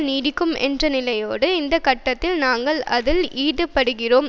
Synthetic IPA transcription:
niːɽɪkːɯmɛ̰ndrɐnɪlɐjoːɽɯɪnd̪ɐkɐʈːɐt̪ːɪlnaːŋɡɐɭɐ̰ðɪliːðɯpːɐɽɯɣɪroːm

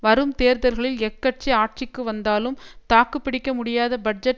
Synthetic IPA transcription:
ʋɐɾɯmt̪eːɾðɐɾɣɐɭɪlɛkːɐʈ̚t͡ʃiaːʈ̚t͡ʃɪkːɯʋɐnd̪aːlɯmt̪aːkːɯpːɪɽɪkːɐmʊɽɪjaːðɐbɐɖ̚d͡ʒɐʈ

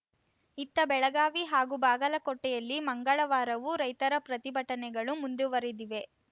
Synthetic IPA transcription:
it̪ːɐbɛɭɐɡaːʋiɦaːɡubaːɡɐlɐkɔʈːɛjɐlːimɐŋɡɐɭɐʋaːɾɐʋuɾɐjt̪ɐɾɐpɾɐt̪ibʱɐʈɐnɛɡɐɭumund̪uʋɐɾid̪iʋe̞

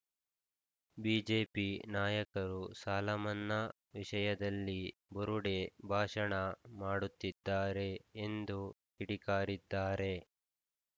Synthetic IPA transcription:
biːd͡ʒe̞ːpinaːjɐkɐɾusaːlɐmɐnːɐ | ʋiʂɐjɐd̪ɐlːibɔɾuɽebʱaːʂɐɳɐmaːɽut̪ːid̪ːaːɾe̞ːnd̪ukiɽikaːɾid̪ːaːɾe̞

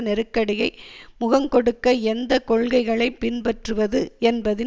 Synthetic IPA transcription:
nɛɾɯkːɐɽɪjɐɪmʊɣɐŋkɔɽɯkːɐɛnd̪ɐkɔɭɣɐɪɣɐɭɐɪpːɪnpɐʈrɯʋɐðɯɛnbɐðɪ

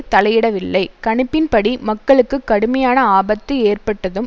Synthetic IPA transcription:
t̪ɐlɐjɪɽɐʋɪlːɐɪkɐɳɯpːɪnpɐɽimɐkːɐɭɯkːɯkːɐɽɯmɐjaːnɐaːbɐt̪ːɯeːrpɐʈːɐðɯm

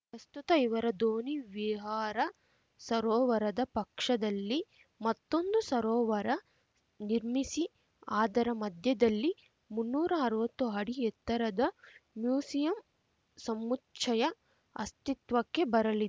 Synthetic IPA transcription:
pɾɐst̪ut̪ɐiʋɐɾɐd̪oːniʋiɦaːɾɐ | sɐɾɔːʋɐɾɐd̪ɐpɐkʂɐd̪ɐlːi | mɐt̪ːo̞nd̪usɐɾɔːʋɐɾɐ | niɾmisi | aːd̪ɐɾɐmɐd̪ʱjɐd̪ɐlːi | munːuːɾɐːɾʋɐt̪ːuɦɐɽiɛt̪ːɐɾɐd̪ɐmjuːsijɐm | sɐmːut͡ʃʰɐjɐ | ɐ̰st̪it̪ʋɐkːe̞bɐɾɐlid̪e

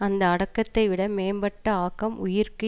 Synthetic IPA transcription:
ɐnd̪ɐːɽɐkːɐt̪ːɐɪʋɪɽɐmeːmbɐʈːɐaːkːɐmʊjɪɾkɯ

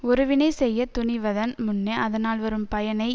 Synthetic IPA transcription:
ɔɾɯʋɪneɪsɛjːɐt̪ʊnɪʋɐðɐnmʊnːeːʔɐðɐnaːlʋɐɾɯmpɐjɐnɐɪ

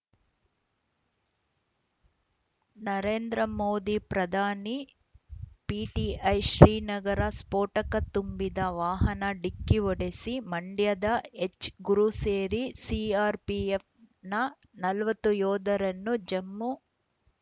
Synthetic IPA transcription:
nɐɾe̞ːnd̪ɾɐmoːd̪ipɾɐd̪ʱaːni | piːʈiɐjʃɾiːnɐɡɐɾɐspoːʈɐkɐt̪umbid̪ɐʋaːɦɐnɐɖikːiʋɔɽesimɐɳɖjɐd̪ɐet͡ʃːɡuɾuseːɾisiːaːɾpief | nɐ | nɐlɐʋɐt̪ːujɔːd̪ɐɾɐnːud͡ʒɐmːu

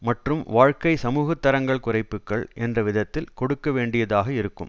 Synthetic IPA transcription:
mɐʈrɯmʋaːɻkɐɪsɐmuːɣɐt̪ːɐɾɐŋɡɐɭkʊrɐɪpːɯkːɐɭʔɛndrɐʋɪðɐt̪ːɪlkɔɽɯkːɐʋeːɳɖɪjɐðaːɣɐɪɾɯkːɯ̰m

